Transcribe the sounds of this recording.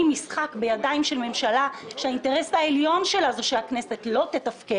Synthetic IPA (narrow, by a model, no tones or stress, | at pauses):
misχakbe̞jadaimʃelme̞mʃalaʃeainte̞ʁesaeljo̞nʃe̞lazuʃeakne̞se̞tlo̞te̞tafke